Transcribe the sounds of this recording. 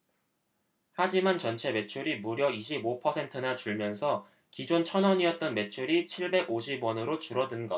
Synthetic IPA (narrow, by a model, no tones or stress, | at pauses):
had͡ʑimant͡ɕʌnt͡ɕʰe̞me̞t͡ɕʰuɾimuɾjʌiɕʰibopʰʌsʰe̞ntʰɯnat͡ɕuɭmjʌnsʰʌ | kid͡ʑont͡ɕʰʌnwʌɲiʌt̚t͈ʌnme̞t͡ɕʰuɾit͡ɕʰiɭbe̞ɡoɕ̬ʰibwʌnɯɾot͡ɕuɾʌdɯnɡʌ